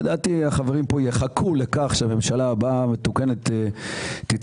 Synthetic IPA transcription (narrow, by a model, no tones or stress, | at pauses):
d̪at̪iaχaveʁimpo̞jeχakʰulekaχʃeame̞mʃalabame̞t̪ukenet̪eː | it